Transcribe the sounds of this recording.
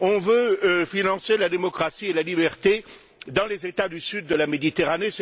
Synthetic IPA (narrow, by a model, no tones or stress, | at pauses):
ɔ̃vøfinɑ̃selad̪emɔkχasielalibɛʁt̪e | d̪ɑ̃lezet̪ad̪ysyd̪ːəlamed̪it̪eʁanes